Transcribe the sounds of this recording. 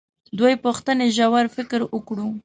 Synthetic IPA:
d̪wojpuxt̪əneʒawaɾfɪkɾwʊkɽu

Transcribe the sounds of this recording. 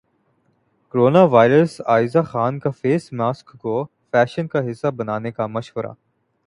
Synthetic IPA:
koɾoːnaʋaːɪɾəsaːɪzaxaːnkafeːsmaːskːo | fɛːʃənkaɦɪsːabɐnaːnekamɐʃʋəɾʔa̰ː

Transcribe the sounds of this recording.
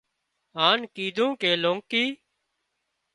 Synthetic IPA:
ɦaːnkiːd̪ʱũːkeːlõːŋkiː

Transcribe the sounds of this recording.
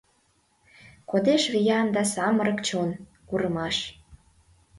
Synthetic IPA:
kod̪eʃβijɑnd̪ɑsɑməɾə̆kt͡ɕon | kuɾəmɑʃ

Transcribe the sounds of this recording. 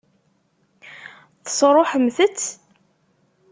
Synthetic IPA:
θə̥sˤɾˤoħəmːθət͡sː

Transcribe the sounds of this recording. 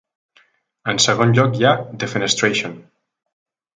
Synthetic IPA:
ənsəɣ̞onʎɔkjad̪efenest̪ɾeʃon

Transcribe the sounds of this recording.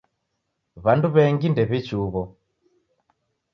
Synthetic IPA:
βanduβɛŋɡindɛβit͡ʃuβɔ

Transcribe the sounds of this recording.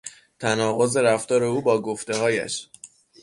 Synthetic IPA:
t̪ʰænɒːɣo̞ze̞ɾæft̪ɒːɾe̞uːbɒːɡoft̪e̞ɦɒːjæ̰ʃ

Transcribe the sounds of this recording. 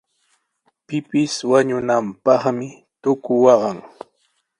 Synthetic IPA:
pɪpɪswaɲʊnampɑχmɪ | t̪ʊkʊwɑɢɑŋ

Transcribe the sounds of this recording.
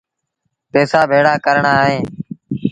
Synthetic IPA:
peːsaːbʱeːɽaːkəɾɳaːɦẽː

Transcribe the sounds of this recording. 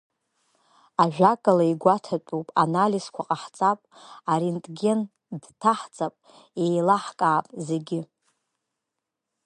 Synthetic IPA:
aʒᶣakʼalaiɡʷatʰat͡pʼupʼa̰naliskʷʰaqʼaħt͡sʼapʼaɾintʼɡʲen | dtʰaħt͡sʼapʼ | ejlaħkʼaːpʼzeɡʲɪ

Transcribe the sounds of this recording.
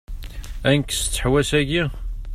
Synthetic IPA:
ænkst͡sːə̥ħwæsæʝi

